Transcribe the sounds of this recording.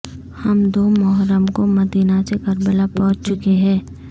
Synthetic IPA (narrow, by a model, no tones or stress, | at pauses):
hɐmd̪oːmɔɦɾəmkomɐd̪iːnasekəɾbəlapɔːt͡ʃt͡ʃʊkeɦɛ̃ː